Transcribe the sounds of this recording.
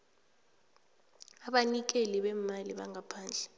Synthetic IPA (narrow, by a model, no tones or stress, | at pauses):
aɓanik̬eliɓɛmaliɓaŋʱapʰaːnd͡ɮʱɛ